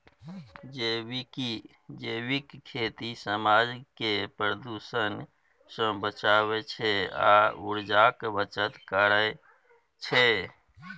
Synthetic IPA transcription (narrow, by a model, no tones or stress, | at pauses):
d͡ʒewiki | d͡ʒewikkʰːet̪isəmaːd͡ʒkepɾəd̪usən | sə̃bət͡ʃaːβet͡ʃʰea̰uɾd͡ʒakbət͡ʃət̪kəɾəe | t͡ʃʰe